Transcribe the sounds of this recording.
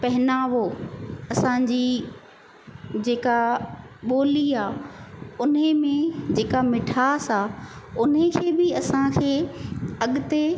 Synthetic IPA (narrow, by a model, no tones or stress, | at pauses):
pɐɦɪnaːʋoɐsãːd͡ʑiː | d͡ʑeːkaɓoːliaːʊnəmẽd͡ʑeːkamɪʈʰaːsaʊnekʰeːbɪɐsãkʰeːɐɠʊt̪e